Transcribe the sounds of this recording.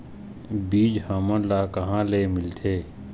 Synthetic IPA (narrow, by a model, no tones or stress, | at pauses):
biːd͡ʒhaːmə̃laːkɐɦãːleːmɪlt̪ʰeː